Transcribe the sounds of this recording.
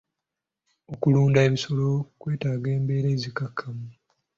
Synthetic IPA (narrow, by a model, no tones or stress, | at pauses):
o̞kuluːndaeβiso̞lo̞kwe̞ːtaːɡe̞ːmbe̞ːɾe̞ːzikakʰːamu